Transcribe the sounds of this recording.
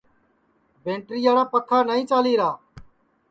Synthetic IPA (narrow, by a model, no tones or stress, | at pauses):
bẽːɳʈɾiːaːɽaːpət̪ʰːaːnaːĩːt͡ʃaːliːɾaː